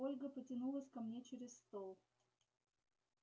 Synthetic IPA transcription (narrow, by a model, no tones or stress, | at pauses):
olʲɡəpətʲɪnulˠəsʲkɐmnʲet͡ɕeɾʲɪsst̪olˠ